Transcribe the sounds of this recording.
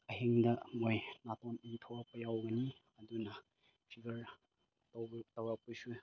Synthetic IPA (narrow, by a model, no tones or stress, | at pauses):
ɐɦiŋdɐmojnatɔniŋtʰowɾapɐjawɡɐni | ɐdunɐ | pʰiɡɐɾ | twtɐwɾapusu